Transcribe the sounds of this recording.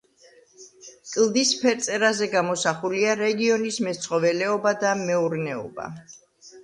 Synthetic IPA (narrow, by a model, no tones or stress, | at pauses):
kʼlˠd̪ispʰɛɾt̪sʼɛɾazɛɡamɔsaχuliaɾɛɡiɔnismɛt̪sʰχʼɔvɛlɛɔbad̪amɛuɾnɛɔ̰ba̰